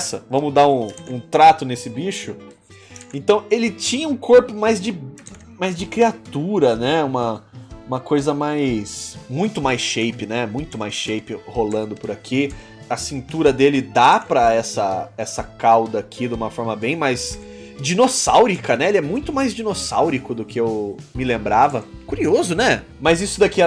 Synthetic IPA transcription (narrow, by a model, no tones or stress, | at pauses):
sɐvɐ̃mʊd̪aɾũũt̪ɾat̪ʊnesɪbiʃʊ | ẽnt̪ɐ̃w̃elɪt͡ʃĩɲɐũkoɾpʊmajzd͡ʒɪ | majzd͡ʒɪkɾiat̪uɾɐnɛũmɐũmɐkojzɐmajsmũj̃t̪ʊmajsʃejpɪnɛmũj̃t̪ʊmajsʃejpɪholɐ̃nd̪ʊpʊɾakʰi | ɐsĩnt̪uɾɐd̪elɪd̪apɾɐɛsɐɛsɐkawd̪ɐːkʰid̪ũmɐfɔɾmɐbẽj̃majz | d͡ʒinosawɾikɐnɛelɪɛmũj̃t̪ʊmajzd͡ʒinosawɾikʊd̪ʊkɪewmɪlẽmbɾavɐkuɾiozʊnɛ | mɐzisʊd̪akiɐ